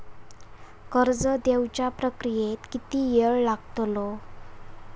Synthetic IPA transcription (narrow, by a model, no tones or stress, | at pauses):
kəɾd͡zəd̪ewt͡ɕjapɾəkɾijet̪kit̪iːjeɭlaɡt̪lo